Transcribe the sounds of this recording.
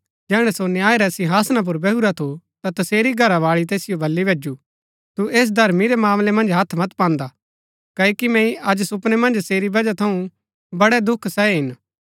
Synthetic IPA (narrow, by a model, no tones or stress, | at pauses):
d͡ʒɛːɽ̃ɛsonɪaːeɾɛsɪ̃ɦaːsnap̬ʊɾbɛɦuɾat̪ʰo | t̪at̪ɐseːɾiɡʱɐɾaʋaːɭit̪̬eːsɪjobʱɐlːibʱeːd͡ʒu | t̪ueːs̬d̪ʱɐɾmiɾɛmaːmlɛmɐ̃nd͡ʒɦɐt̪ʰmɐt̪pãːnd̪a | kɐkimɛ̃ːĩʔɐd͡ʒsʊpnemɐ̃nd͡ʒseːɾibɐd͡ʒat̪ʰɐũ | bɐɽɛd̪ʊkʰsɛɦɪn